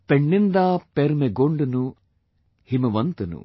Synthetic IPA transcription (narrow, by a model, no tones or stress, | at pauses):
peɳːind̪aːpeɾmeɡoɳɖunu | himɐʋɐnt̪ɐnṵ